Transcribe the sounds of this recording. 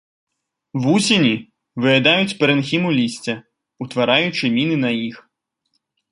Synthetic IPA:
wusʲinʲi | vɨjɛd̪ajut͡sʲpɛɾɛnxʲimulʲisʲt͡sʲɐ | ut̪vaɾajut͡ʂɨmʲinɨnɐjix

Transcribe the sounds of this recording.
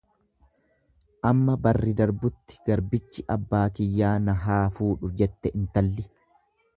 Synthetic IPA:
ʔɐmːɐbɐrːɪd̪ɐɾbʊt̪ːɪ̥ɡɐɾbɪt͡ʃːɪʔɐbːaːkɪjːaːnɐɦaːfuːᶑʊd͡ʒɛt̪ːɛʔɪnt̪ɐlːɪ

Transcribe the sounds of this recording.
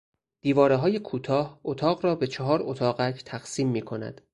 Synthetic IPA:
d̪̥iːvɒːɾeɦɒːje̞kʰuːt̪ʰɒːhot̪ʰɒːɣɾɒːbe̞t͡ʃʰeɦɒːɾot̪ʰɒːɣækʰt̪ʰæɣ̥siːmːiːkʰo̞næ̰d̪̥

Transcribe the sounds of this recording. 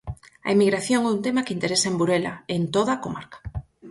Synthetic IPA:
ɐ̰imiɣɾaθjoŋɛunt̪emakeint̪eɾesaembuɾela̰ent̪oðakoma̰ɾkḁ

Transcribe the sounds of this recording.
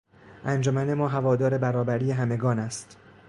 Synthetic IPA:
ʔænd͡ʒomæne̞mɒːɦævɒːd̪ɒːɾe̞bæɾɒːbæɾije̞ɦæme̞ɡɒːnæst̪

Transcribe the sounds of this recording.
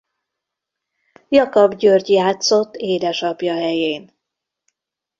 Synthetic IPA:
jɒkɒbɟørɟjaːt̪so̞t̪ːeːd̪ɛʃɒpjɒɦɛjeːn

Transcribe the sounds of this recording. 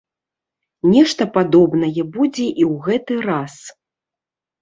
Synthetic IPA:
nʲɛʂt̪ɐpad̪ɔbnɐjɛbud͡zʲɛʔiwɣɛt̪ɨras

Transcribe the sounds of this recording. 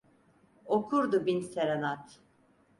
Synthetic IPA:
okʰuɾd̪ubinseɾanat̪

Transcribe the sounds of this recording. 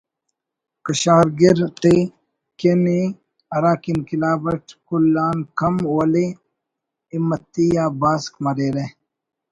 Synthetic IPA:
kəɕaːɾɡiɾt̪e | keni | ɐɾaːkinkilaːbɐʈkulːaːnkɐmɐle | imːɐt̪ːijaːbaːskmɐɾeːɾe

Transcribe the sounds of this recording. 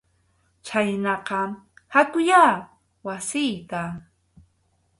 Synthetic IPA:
t͡ʃajnɑqɑhat̪ʊjaː | wasɪjt̪a

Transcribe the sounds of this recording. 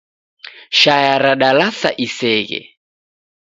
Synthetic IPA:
ʃajaɾaɗalasa̰ʔisɛːɣɛ̰

